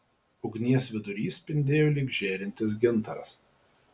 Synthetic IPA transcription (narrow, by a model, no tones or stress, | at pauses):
ʊɡʲnʲiɛsʋʲɪd̪ʊɾʲiːsʲpʲɪnʲd̪ʲeːjoːlʲiɡʒʲeːɾʲɪnʲt̪ʲɪs̬ɡʲɪnˑt̪ɐɾɐ̰s